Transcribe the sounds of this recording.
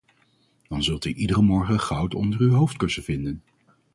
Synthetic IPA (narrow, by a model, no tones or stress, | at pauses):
d̥ɑnzɵlˠtyʔidərəmɔɹχəχɑwtɔ̰ndərywɦowftkɵsəv̥ɪndən